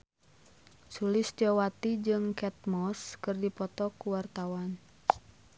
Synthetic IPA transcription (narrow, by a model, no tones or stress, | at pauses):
sulɪst̪iɔwat̪id͡ʒɨŋkɛt̪̚mɔskɨrdipɔt̪ɔkuwart̪awan